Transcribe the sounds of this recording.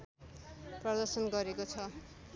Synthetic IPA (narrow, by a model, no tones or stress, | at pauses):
prʌd̪ʌrsʌnɡʌɾekot͡sʰʌ